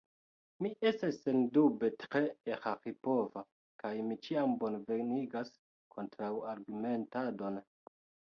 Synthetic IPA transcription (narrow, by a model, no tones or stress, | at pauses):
miʔe̞stasːendubetɾeehaxipo̞va | kajmit͡ʃiambo̞nve̞ɾniɡas | kʰo̞ntɾawaɾɡume̞ntado̞n